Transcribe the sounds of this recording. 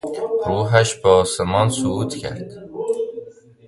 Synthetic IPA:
ɾuːɦæʃbeɒːsemɒnsuuːt̪ʰcʰæ̰ɾd̪̥

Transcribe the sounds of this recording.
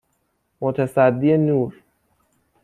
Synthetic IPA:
mot̪ʰæsæd̪ːijenuːɾ

